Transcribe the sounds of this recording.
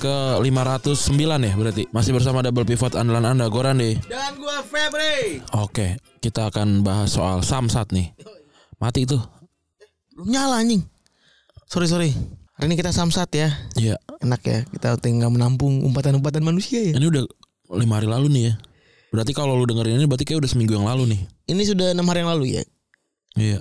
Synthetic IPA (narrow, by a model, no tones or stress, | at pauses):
kəlimaɾat̪ʊsːəmbilanɪhbəɾart̪imasɪbərs̬amadabəlpifat̪andalanandaɡoɾanɪdamɡuafebɾeoke | kit̪aːkanbaɦasːoa̰lsamsat̪̚nɪh | mat̪iːt̪u | luɲalaɲɪŋ | soɾis̬oɾiɾinikit̪asamsat̪jaijaənakja̰kit̪aut̪ɛŋɡamənampʊŋṵmpat̪anumpat̪anmanusiajainiuda | limahaɾilalunɪhja | bəɾart̪ikaloludəŋəɾininibəɾat̪ikajaudahsəmiŋɡujaŋlalunɪhinis̬udahənamhaɾijaŋlaluja̰ | ija̰